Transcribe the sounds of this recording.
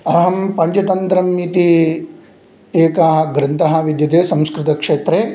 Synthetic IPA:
ɐɦɐmpɐɲt͡ʃɐt̪ɐnt̪ɾɐmːit̪i | eːkaːɦɐ̆ɡɾɐnt̪ɐɦɐʋid̪jɐt̪eːsɐ̃mskɾɪt̪ɐkʂeːt̪ɾeː

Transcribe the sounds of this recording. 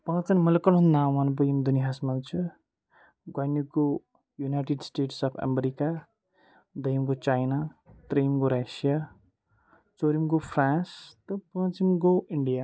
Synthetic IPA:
pãt͡sʌnmʌlekʌnɦũnd̪amanbujimd̪uniɦasmant͡sʰu | ɡwajniko | junajʈeɖsʈeʈsʌpʰa̰meɾika | d̪ʌjmɡot͡sajnat̪ɾʌjimɡoɾasija | t͡soɾimɡopʰrãnst̪ʌpʌ̃t͡simɡoiɳɖija

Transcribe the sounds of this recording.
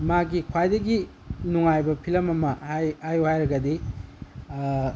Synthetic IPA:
maɡikʰwajdɐɡi | nuŋajbɐpʰilɐmɐmɐhajhajuhajɾɐɡɐdi

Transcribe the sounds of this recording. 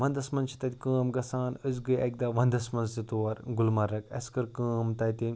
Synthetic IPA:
ʋɐnd̪ɐsmɐnt͡ʃʰi̥t̪ɐt̪ʲikəːmɡɐsaːnəzɡɨjʔɐk̚d̪aʋɐnd̪ɐsmɐnzt̪it̪oːɐɾɡulmɐɾːɐkɐ̰skɐɾkəːmt̪ɐjt̪i

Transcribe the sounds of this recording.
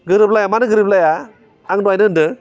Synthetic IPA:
ɡɯɾɯp̚lajamanɯɡɯɾɯp̚lajaː | ŋduajnɯndɯ

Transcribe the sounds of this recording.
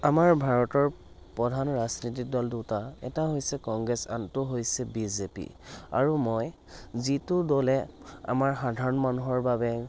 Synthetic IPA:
amaɹbʱaɹɔtɔɹ | pɔdʱanɹaznit̬ik̚dɔldutaɛ̰taɦojsɛkɔŋɡɹɛsa̰ntʊɦojsɛbizepḭ | a̰ɹumɔj | zitʊdolɛ | a̰maɹxadʱaɹɔnmanuɦɔɹbabɛ

